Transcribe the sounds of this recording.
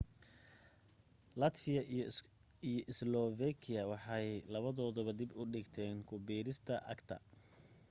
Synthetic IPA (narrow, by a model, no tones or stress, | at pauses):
lɐt̪fɪjɐ | ijɔʔɪslɔvɛkʰɪjɐwɑħɑjlɐβɐðɔːðɔβɐd̪ɪbʊɖɪɡt̪ʰɛːŋkʰʊbiːɾɪst̪ʰɐʔɐ̰ɡt̪ʰɐ̰